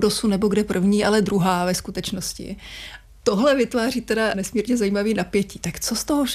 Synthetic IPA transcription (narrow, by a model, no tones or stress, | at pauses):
dosunnɛbo̞ɡdɛpr̩vɲiːʔalɛd̪ɾuɦaːvɛskut̪ɛt͡ʃnoscɪ̰ | t̪oɦlɛvɪt̪vaːriːt̪ɛdanɛsmiːɾɲɛzajiːmaviːnapjɛciːt̪akt͡sost̪oɦoʃ